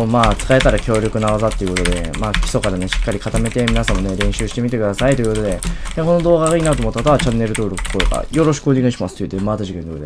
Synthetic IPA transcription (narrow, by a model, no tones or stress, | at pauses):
omaːt͡sɨ̥kae̞t̪aɾakʲo̞ːɾʲokɯ̟naβazat̪ːeɯ̟ko̞t̪o̞d̪e̞maːkʲi̥so̞kaɾane̞ɕi̥kːaɾʲikat̪ame̞t̪e̞mʲinasãmːo̞ne̞ɾẽ̞ɰ̃ɕɨːɕi̥t̪e̞mit̪e̞kɯ̟d̪asait̪o̞j̟kot̪o̞d̪e̞eko̞no̞d̪o̞ːɣaɣaiːnat̪oːmo̞t̪ːakot̪aat͡ɕanːe̞ɾɯt̪o̞ːɾo̞kɯ̟koeka̰jo̞ɾo̞ɕi̥kɯɨoɲʲiɡaiɕimasɨ̥ojɯ̟t̪emaːt̪aʑikend̪od̪e